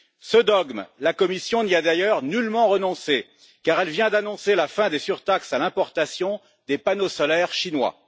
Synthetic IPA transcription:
səd̪ɔɡmlakɔmisjɔ̃niad̪ajœʁnylmɑ̃ʁənɔ̃se | kaʁɛlvjɛ̃d̪anɔ̃selafɛ̃d̪esyʁt̪aksalɛ̃pɔʁt̪asjɔ̃ | d̪epanosɔlɛʁʃinwa̰

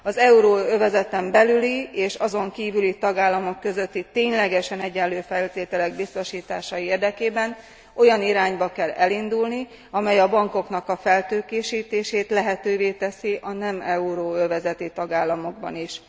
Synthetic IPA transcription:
ɒzɛuɾoːøvɛzɛt̪ɛmbɛlylieːʃɒzo̞ŋkiːvylit̪ɒɡaːlːɒmo̞kːø̞zø̞t̪ːit̪eːɲlɛɡɛʃɛnɛɟːɛlːøːfɛlt̪eːt̪ɛlɛɡ̚bist̪o̞ʃiːt̪aːʃɒieːrd̪ɛkeːbɛn | o̞jɒniɾaːɲbɒkɛlɛlind̪ulni | ɒmɛjɒbɒŋko̞knɒkɒfɛlt̪øːkeːʃiːt̪eːʃeːt̪lɛɦɛt̪øːveːt̪ɛsiʔɒnɛmɛuɾoːøvɛzɛt̪it̪ɒɡaːlːɒmo̞ɡ̚bɒ̰niʃ

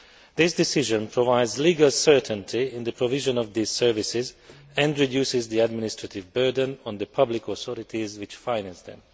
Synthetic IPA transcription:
d̪ɪsdɪsɪʒə̃npʰɹɔvaɪdzliːɡalsɜ˞tʰə̃ntʰiɪ̃nd̪əpʰɹɔvɪʒə̃nɔvd̪iz̥sɛɹvɪsɪz | ɛ̃ndɹidjuːsɪzd̪iædmɪnɪstɹatɪvbɜ˞də̃nɔ̃nd̪əpʰʌblɪkɔθɔɾɪtʰizwɪt͡ʃfãɪnæ̃nsd̪ɛ̰̃m

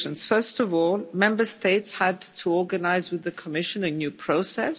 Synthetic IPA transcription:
ə̃nz̥fɜ˞stɔvɔlˠmɛ̃mbə˞steɪtshədtʰəɔɡənaɪzwɨðɨkʰəmɪʃə̃nɨnjʉpʰɹ̥oʊsɛs

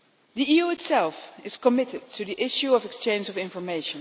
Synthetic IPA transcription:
ðiijuɨtsɛlˠfɪz̥kəmɪɾɪd̚tʰɨðiʔɪʃjuəvɛkst͡ʃẽɪ̃nd͡ʒʌvɪ̃ɱfə˞meɪʃə̃n

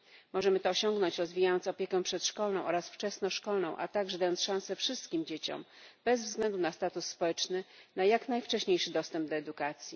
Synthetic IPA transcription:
mɔʐɛmɘt̪ɔːɕɔŋɡnɔɲt͡ɕɾɔzvʲijajɔnt̪sɔpʲjekɛ̃pʂɛt̪ʂkɔlnɔ̃w̃ʔɔɾasft͡ʂɛsnɔʂkɔlnɔ̃w̃ʔa̰t̪aɡʐɛd̪ajɔnt̪sʂãw̃sɛfʂɘst̪kʲimd͡ʑet͡ɕɔ̰mb̥ɛzvzɡlɛnd̪unast̪at̪usːpɔwɛt͡ʂnɘnajaknajft͡ʂɛɕɲejʂɘd̪ɔst̪ɛmb̚d̪ɔɛd̪ukat̪sʲji

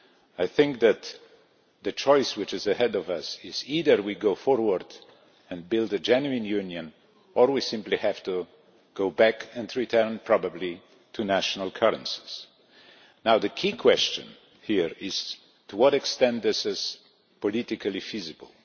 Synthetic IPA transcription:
aɪθɪ̃ŋk̚ðɨt̪ | ðɨt͡ʃʰɔɪswɨt͡ʃɨzɨhɛdɔvʌsɪziðə˞wiɡoʊfɔɹwə˞d | ɨ̃nbɪlˠdɨd͡ʒɛnjʉɪ̃njʉ̃njɨ̃n | ə˞wisɪ̃mplihæv̥tu | ɡ̥oʊbækʰɨ̃ndɹitʰɜ̃˞npʰɹ̥ɑbəbli | tʰɨnæʃnəlˠkʰɜɹɨ̰̃nsi̥z̥ | naʊðɨkʰikʰw̥ɛst͡ʃɨ̰̃n | hiɹɪz̥ | tʰuwʌɾɨkstɛ̃ntðɪsɨz̥ | pɔlɪtɨkʰəlˠifizɨbə̰l̩ˠ

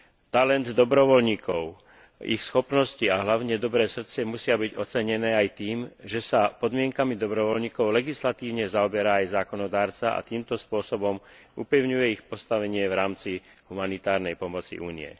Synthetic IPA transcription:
t̪alɛnd̪d̪ɔbɾɔʋɔlɲiːkʰɔʊ | ḭxsxɔpnɔsciaɦlaʊɲɛd̪ɔbɾɛːsr̩t̪t͡sɛmusɪabiɟɔt͡sɛɲɛnɛːajt̪iːmʒɛsapɔd̪mɪɛŋkamid̪ɔbɾɔʋɔlɲiːkɔʊlɛɡislat̪iːʊɲɛzaɔbɛɾaːjzaːkɔnɔd̪aːɾt͡saʔa̰t̪iːmt̪ɔspʊɔsɔbɔm | upɛʊɲujɛixpɔst̪aʋɛɲɪɛʋɾaːmt͡si | ɦumanit̪aːɾnɛjpɔmɔt͡sḭʔṵːnḭɛ̰

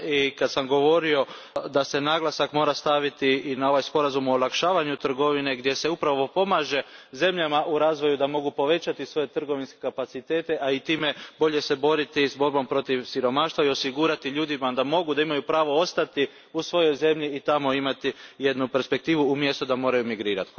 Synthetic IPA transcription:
ikad̪samɡo̞ʋo̞ɾio̞ | d̪ase̞naɡlˠasakmoɾast̪aʋit̪iinao̞ʋajspo̞ɾazumoːlakʃaːʋaɲut̪r̩ɡo̞ʋine̞ɡd̪je̞se̞upɾaʋo̞po̞maʒe̞ze̞mʎamaʔuɾaːzʋo̞jud̪amo̞ɡupo̞ʋe̞t͡ɕat̪isʋo̞je̞t̪r̩ɡo̞ʋinske̥kapat̪sit̪e̞ːt̪e̞ʔait̪iːme̞bo̞ʎe̞se̞bo̞ɾit̪izbo̞ɾbo̞mpɾo̞t̪iʋsiɾo̞maːʃt̪ʋaio̞siɡuɾat̪iʎuːd̪imad̪amo̞ɡud̪aimajupɾaːʋo̞o̞st̪at̪i | usʋo̞jo̞jze̞mʎiːt̪amo̞imat̪ije̞d̪nupeɾspe̞k̚t̪iːʋuːmje̞st̪od̪amo̞ːɾajumiɡɾiːɾat̪

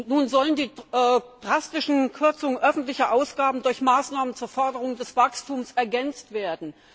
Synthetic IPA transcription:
nuːnzɔləndiːd̥ʁastɪʃn̩kʰʏɐt͡sʊŋənʔœfn̩tlɪçɐʔaʊsɡ̥aːbn̩dʊɐçmaːsnaːmənt͡suːɐfɔɐdəʁʊŋdɛsv̥akstuːmsɛɐɡɛnt͡stv̥eːɐdn̩

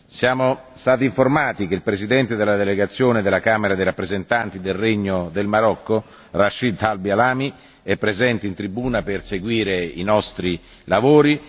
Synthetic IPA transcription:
sjaːmo | st̪aːt̪iɱformaːt̪ik̟eilpɾezid̪ɛnt̪ed̪elːad̪eleɡat̪sːjoːned̪elakaːmeɾad̪ejɾapːɾezent̪ant̪id̪elreɲːod̪elmaɾɔkːo | raʃːid̪albialaːmi | ɛpːɾezɛnt̪eint̪ɾibuːnaperseɡwiːɾeḭnɔst̪ɾi | lavoːɾi

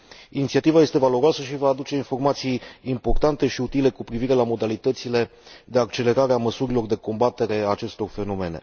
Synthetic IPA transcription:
init̪siat̪ivaje̞st̪e̞valo̞ɾoasəʃivaːd̪ut͡ʃe̞info̞rmat̪sijːmpo̞rt̪ant̪e̞ʃiut̪ile̞kupɾiviɾe̞lamo̞d̪alit̪ət̪sile̞d̪e̞ak̚t͡ʃe̞le̞ɾaɾeaməsuɾilo̞rd̪e̞ko̞mbat̪e̞ɾe̞aːt͡ʃe̞st̪o̞rfe̞no̞me̞ne̞̰

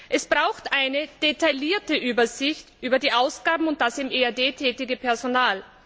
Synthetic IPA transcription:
ʔɛsb̥ʁaʊxtʔaɪnəd̥etaɪliːɐtəʔyːbɐzɪçtʔyːbɐdiːʔaʊsɡ̥aːbm̩ʊnt̚d̥asɪmʔeadeːtʰɛːtɪɡəpʰɛɐzonaːl

